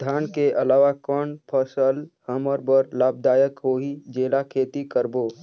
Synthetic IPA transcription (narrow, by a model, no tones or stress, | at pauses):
d̪ʱaːnkeʔəlaːʋakɔːɳpʰəsəlhəməɾbəɾlaːb̚d̪aːjəkɦoːɦid͡ʒeːlakʰeːt̪ikəɾboː